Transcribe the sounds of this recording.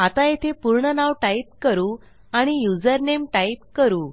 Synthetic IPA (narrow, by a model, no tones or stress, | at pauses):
at̪ajet̪ʰepuɾɳənaʋʈaip̚kəɾuː | aɽ̃ijud͡zəɾnemʈaip̚kəɾuː